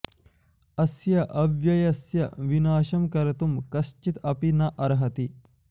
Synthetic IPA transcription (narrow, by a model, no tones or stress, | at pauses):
ɐsjɐʔɐʋjɐjɐsjɐʋinaːʃɐmkɐɾɐt̪umkɐʃt͡ʃit̪ɐpinɐʔɐɾɦɐt̪i